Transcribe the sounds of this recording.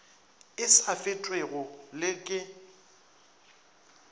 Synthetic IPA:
ɪsafɪtʼweɣʊlɪkʼɪ

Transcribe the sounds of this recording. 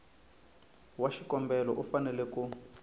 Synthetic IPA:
waʃikɔmbɛlɔ̰ʔufanɛlɛku

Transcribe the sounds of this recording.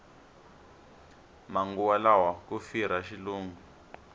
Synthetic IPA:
maŋɡuwalawakufiɾ̤aʃiluːŋu

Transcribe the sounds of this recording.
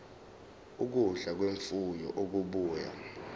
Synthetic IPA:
uk̬uɮak̬weɱfujɔ̰ʔok̬uɓuːja̰

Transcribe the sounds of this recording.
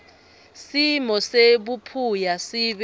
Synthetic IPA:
simɔseɓupʰujasiːɓ

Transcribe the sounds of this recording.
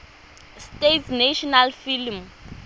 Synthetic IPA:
stetsnaʃɔnalfilm

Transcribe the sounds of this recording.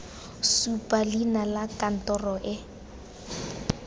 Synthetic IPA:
supʼalinalakʼan̩tʼɔrɔʔɪ

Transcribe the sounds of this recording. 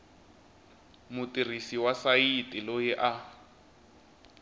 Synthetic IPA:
mʊtʼir̤isiwasaitʼilojɛʔa

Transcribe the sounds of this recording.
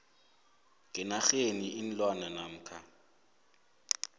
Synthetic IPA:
kʼɪnaxeniʔɪn̩lwananam̩ːkʰa

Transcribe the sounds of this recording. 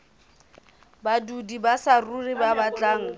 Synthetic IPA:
badudibasaruribabat͡ɬʼaːŋ̩

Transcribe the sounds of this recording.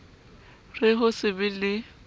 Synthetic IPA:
rɪɦʊsɪbɪlɪ

